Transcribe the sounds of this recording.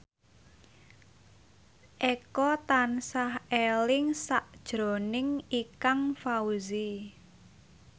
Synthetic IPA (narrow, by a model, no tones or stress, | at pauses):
ʔɛkɔt̪ansahelɪŋsaʔd̥ʒ̥ɾo̤nɪŋikaŋfauzi